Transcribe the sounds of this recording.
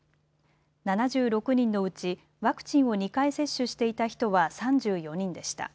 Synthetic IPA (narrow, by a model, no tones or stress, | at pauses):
nanad͡ʑɨːɾo̞kɯ̟ɲ̟ĩnːo̞ɯ̟t͡ɕi | βakɯ̟̥t͡ɕĩɰ̃o̞ɲ̟ikaise̞ɕːɨɕi̥t̪e̞it̪açi̥t̪o̞βasãɲd͡ʑɨːjo̞ɲ̟ĩnd̪e̞ɕi̥t̪a̰